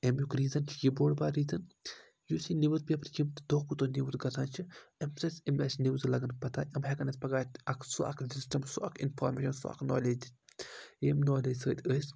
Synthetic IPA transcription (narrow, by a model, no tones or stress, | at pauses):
emjukɾiːzɐnt͡ʃʰjiboːɽbaːɾiːzɐn | jusiniʋɐt̪̚pʲepɾt͡ʃimt̪d̪oːkut̪oniʋt̪ɡɐt̪ʰaːnt͡ʃʰiɐmsɐsʲemɐsʲniʋzlɐɡɐnpɐt̪ʰaːʔɐmɦɐkɐnɐt̪ʲpɐɡaːt̪ɐkʰsuɐ̰kʰsisʈɐmsuɐkʰinfoːɾmeːʃɐnsṵa̰kno̰ːleːd͡ʒ̪i | eːmnoːleːd͡ʒʲsəːd̪ʲəːsʲ